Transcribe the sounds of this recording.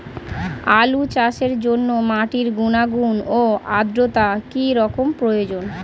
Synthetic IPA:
alut͡ɕaʃeɾd͡ʑonːomaʈiɾɡunaɡunoad̪ɾot̪akiɾɔkompɾojod͡ʑon

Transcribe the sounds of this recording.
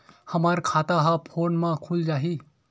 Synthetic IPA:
həmaːɾkʰaːt̪aɦapʰoːnmãkʰuld͡ʒaːɦiː

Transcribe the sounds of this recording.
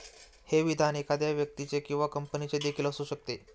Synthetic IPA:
heʋid̪ʱanekʰad̪jaʋjək̚t̪it͡sekĩw̃ʋakəmpənit͡sed̪ekʰiːləsuɕək̚t̪e

